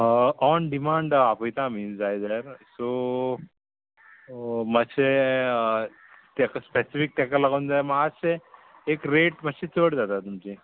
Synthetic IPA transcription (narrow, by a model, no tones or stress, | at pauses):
ɔnɖimaːɳɖapəjt̪amiːnd͡zajed̪əɾso | məɕe | t̪ɛkspɛsifik̚t̪ɛkəlaɡənd͡zajmaase | ekɾeʈmət̪ɕit͡soɽd͡zat̪at̪umt͡ɕi